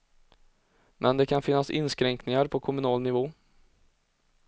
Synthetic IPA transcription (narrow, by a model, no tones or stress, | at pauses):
mʔɛnd̪ɛkʰanfɪnːasɪ̰nːskɾɛŋknɪŋaɾpʰɔkʰʊmɵnɑːlnɪvoː